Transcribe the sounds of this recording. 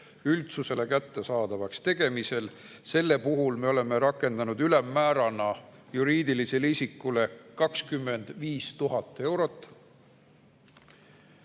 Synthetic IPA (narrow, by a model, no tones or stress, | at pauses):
ylt̪suse̞le̞kæt̪ːe̞sɑːd̪̥ɑvɑkst̪e̞ɡ̥e̞mise̞l | se̞lːe̞puɦulme̞o̞le̞meɾɑkːˑe̞nd̪̥ɑnud̪̥ylemːæːɾɑnɑ | juɾiːd̪ilise̞lisikːˑule̞kɑkskymːe̞nd̪̥viːst̪uɦɑt̪ːˑe̞wɾo̞t̪ːˑ